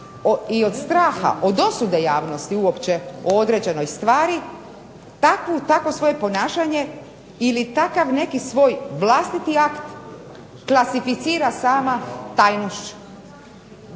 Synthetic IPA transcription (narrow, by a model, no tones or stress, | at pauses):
oiod̪st̪ɾaːxa̰ʔod̪o̞sud̪e̞jaːʋnost̪iuopt͡ɕeood̪ɾe̞d͡ʑe̞no̞jst̪ʋaːɾi | t̪akʋut̪akʋo̞sʋo̞je̞po̞naːʃaɲe̞ | ilit̪akaʋne̞kisʋo̞ːjʋlˠast̪it̪iakt̪ | klˠasifit̪siːɾasaːmat̪ajnoʃt͡ɕu̥